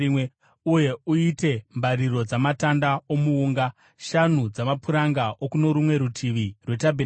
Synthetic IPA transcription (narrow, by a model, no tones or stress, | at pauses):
uje̞uite̞mbaɾiro̞d͡zamatandao̞muuːŋɡa | ʃan̤ud͡zamapuɾaŋɡaʔokuno̞ɾumwe̞ɾutʰiʋirwe̞tabʱe